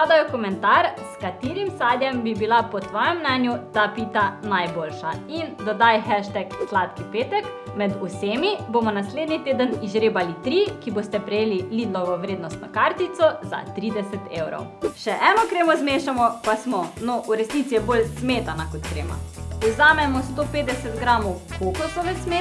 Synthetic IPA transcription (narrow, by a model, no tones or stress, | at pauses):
ad̪ajɔkɔmɛnt̪aɾskat̪iːɾimsaːd̪jɛmbibilapɔt̪ʋɔːjɛmːnɛnjut̪apiːt̪anajboːlʃaind̪ɔd̪ajxɛʃt̪ɛkslaːt̪kipeːt̪ɛk | mɛd̪useːmibomɔnasleːd̪nit̪eːd̪əniʒɾeːbalit̪ɾiːkiboːst̪ɛpɾɛjeːliliːd̪lɔʋɔʋɾeːd̪nɔst̪nɔkaɾt̪it̪sɔza̰t̪ɾiːd̪ɛsɛt̪ewɾɔ̰wʃɛʔɛːnɔkɾeːmɔzmeːʃamɔpasmɔnɔʔuɾɛsniːt̪sijɛbolsmet̪anakɔt̪kɾḛːma̰ɔzaːmɛmɔst̪opeːd̪ɛsɛt̪ɡɾaːmɔwkokɔsɔʋɛsme